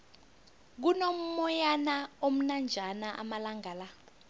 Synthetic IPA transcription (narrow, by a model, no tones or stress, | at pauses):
k̬unom̩mɔjanaom̩nand͡ʒʱanaʔa̰malaŋɡaːla